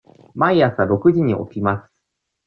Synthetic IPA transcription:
maiasɨaɾo̞kɯ̟ʑiɲ̟iʔo̰kʲimasɨ̥

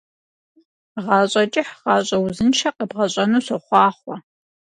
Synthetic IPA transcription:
ʁɑːɕʼɐt͡ʃʼɪħʁɑːɕʼɐwzɨnt͡ʃʰɐqəbʁɐɕʷʼɐnuːɕɐχʷɑːχʷɐ

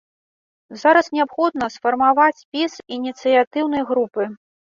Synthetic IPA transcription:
zaɾɐsnʲɛapxɔd̪̚nɐsfɐrmavat͡sʲpʲisinʲit̪sɨjat̪ɨwnɐjɣɾupɨ

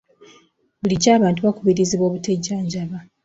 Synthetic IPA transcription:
buliɟaːβaːntuβakuβiɾiziβo̞ːβuteɟaːɲɟaβa

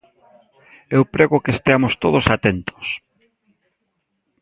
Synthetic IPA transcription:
ewpɾeɣʊkest̪eamost̪oðʊsat̪ent̪ʊ̥s

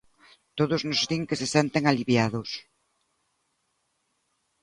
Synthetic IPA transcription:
t̪oðʊznʊzðiŋkɪsɪsent̪eŋaliβjað̞ʊs

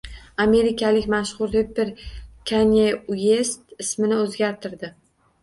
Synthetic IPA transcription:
ame̞ɾɪkʲʰalɪkʲmaʃχʊɾebɪɾkʲʰaneuje̞st̪ɪsmɪnɪɵzɡʲaɾt̪ʰɪɾd̪ɪ

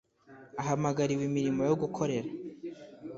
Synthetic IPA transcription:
aɦamaɡaɾiwimiɾimo̞jo̞ɡukʰo̞ɾe̞ɾa

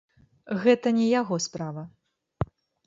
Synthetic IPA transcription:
ɣɛt̪ɐnʲɛjaɣɔspɾavɐ

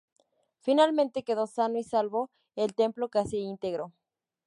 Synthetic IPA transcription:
finalmẽnt̪e̞ke̞ð̞o̞sanoisalβo̞ | elt̪e̞mplo̞kasiint̪eɣɾo

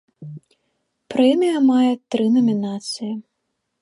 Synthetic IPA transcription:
pɾɛmʲijɐmajɛt̪ɾɨnɐmʲinat̪sɨji

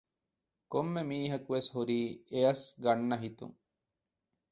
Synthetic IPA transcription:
komːemiːɦɐkuʋeshuɾiːeɐsɡɐɳːɐɦit̪ṵŋ

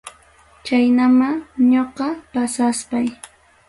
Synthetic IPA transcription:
t͡ʃajnamaɲoqɑpasaspaj

